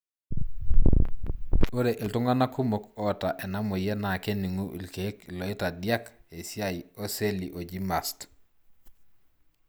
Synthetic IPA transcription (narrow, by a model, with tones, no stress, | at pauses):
o˦ɾe˨ʔɪ˨ltʊ˦ŋɡa˦na˦ku˦mo˨kɔ˦˨ta˨ʔɛ˨na˦mʊ˨jɛ˦na˨ke˦ni˨ŋu˦ʔḭ˨lke˨˦ki˨lɔ˨ɪ˦ta˨dja˦ke˨sja˦˨i˨o˦se˦lḭ˨ʔo˨d͡ʒi˦ma˨st